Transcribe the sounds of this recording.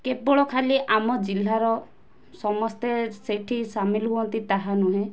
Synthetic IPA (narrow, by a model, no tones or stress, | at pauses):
kebɔɭɔkʰaliʔamɔd͡ʒilːaɾɔ | sɔmɔst̪eseʈʰisamilɔɦuɔnt̪it̪aɦanuɦẽ